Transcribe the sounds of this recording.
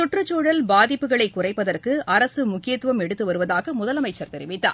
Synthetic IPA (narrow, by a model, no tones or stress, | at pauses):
t̪ʊʈrɐt͡ʃːoːɽɐlbaːðɪpːɯɣɐɭɐɪkːʊrɐɪpːɐðɐrkɯɐɾɐsɯmʊkːɪjɐt̪ːʋɐmɛɽɯt̪ːɯʋɐɾɯʋɐðaːɣɐmʊðɐlɐmɐɪt͡ʃːɐɾt̪ɛɾɪʋɪt̪ːa̰ː